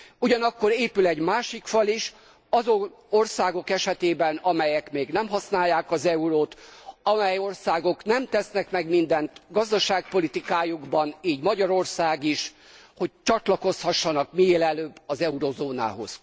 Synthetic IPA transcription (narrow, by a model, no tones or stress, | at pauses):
uɟɒnɒkːo̞ɾeːpylɛɟmaːʃikfɒliʃ | ɒzoo̞rsaːɡo̞kɛʃɛt̪eːbɛnɒmɛjɛkmeːɡnɛmɦɒsnaːjːaːkɒzɛuɾoːt̪ɒmɛjo̞rsaːɡo̞knɛmt̪ɛsnɛkmɛɡmind̪ɛnt̪ɡɒzd̪ɒʃaːk̚po̞lit̪ikaːjuɡbɒniːɟmɒɟɒɾo̞rsaːɡiʃ | ho̞c̚t͡ʃɒt̪lɒko̞shɒʃːɒnɒkmijeːlɛløːbːɒzɛuɾozoːna̰ːɦo̞̰z̥